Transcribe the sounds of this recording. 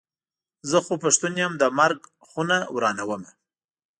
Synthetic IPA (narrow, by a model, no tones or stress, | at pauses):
zəxopəʂt̪unjamd̪əmaɾɡ | xunawɾɑnawəma